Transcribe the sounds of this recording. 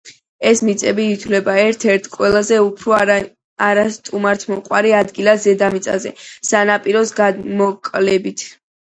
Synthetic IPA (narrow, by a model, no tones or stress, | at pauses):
ɛsmit̪sʼɛbiːt̪ʰvlɛbaɛɾt̪ʰɛɾt̪ʰkʼwɛlˠazɛupʰɾɔ | aɾast̪ʼumaɾt̪ʰmɔqʼwaɾiad̪ɡilazɛd̪amit̪sʼa̰zɛ̰sanapʼiɾɔsɡamɔkʼlɛbit̪ʰ